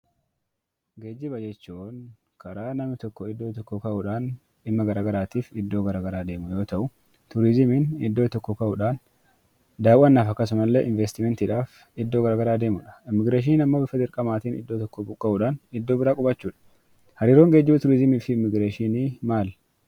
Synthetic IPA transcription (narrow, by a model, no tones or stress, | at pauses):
ɡeːd͡ʒːɪbɐd͡ʒɛt͡ʃːuːn | kʰɐɾaːnɐmɪt̪ɔkːɔɪd̪ːoːt̪ɔkːɔkɐʔʊᶑaːn | ɪmːɐɡɐɾaːɡɐɾaːt̪iːfɪd̪ːoːɡɐɾaːɡɐɾaːd̪e̞ːmʊjo̞ːt̪ɐʔʊ | t̪ʊɾɪzɪmɪnɪ̰d̪ːo̞ːt̪ɔkːɔkɐʔʊᶑaːn | d̪aːwʊʔɐnːaːfɐkːɐs̬ʊmɐlːeːʔɪnvɛst̪ɪmɛnt̪ɪːᶑaːf | ɪd̪ːoːɡɐɾaːɡɐɾaːd̪e̞ːmʊᶑɐ̥ɪmːɪɡɾeːʃ̬iːnɐmːoːbɪfɐd̪ɪɾkʼɐmaːt̪iːnɪ̰d̪ːoːt̪ɔkːɔbʊkʼːɐʔʊᶑaːnɪd̪ːo̞ːbɪɾaːkʼʊbɐt͡ʃːuːᶑɐ̥ | hɐɾiːɾoːŋɡed͡ʒːɪbʊt̪ʊɾɪzɪmiːfɪɪmːɪɡɾeːʃiniːmaːl